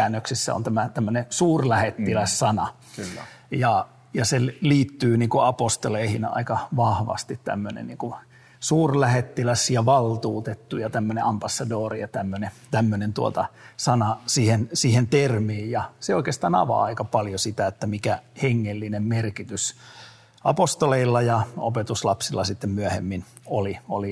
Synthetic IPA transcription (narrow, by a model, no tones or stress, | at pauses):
ænːøksisːæ̰o̰nt̪æmæt̪æmːønesuːrlæhet̪ːilæssɑnɑ | kjɑ | jɑseliːt̪ːyːniːŋkuɑpost̪oleihinɑ̰ikɑʋɑhʋɑ̰st̪it̪t̪æ̰mːø̰nḛnniːŋku | suːrlæhet̪ːilæsjɑʋɑlt̪uːt̪et̪ːujɑt̪æmːøneʔɑmb̥ɑsːɑdoːrijɑt̪æmːønet̪æmːønent̪uo̰t̪ɑsɑnɑsiːhensiːhent̪ermiːjjɑseoikeːst̪ɑːnɑ̰ʋɑ̰ɑikɑpɑljosit̪æet̪ːæmikæheŋːelːinemmerkit̪ys | ɑpost̪oleilːɑjɑo̰pet̪uslɑpsilːɑsit̪ːemmyæhemːin | olioli